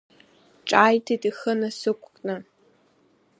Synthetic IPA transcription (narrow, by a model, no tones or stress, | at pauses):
ʈ͡ʂʼaːjtʰitʼixənasɨkʷʰʼkʼnɨ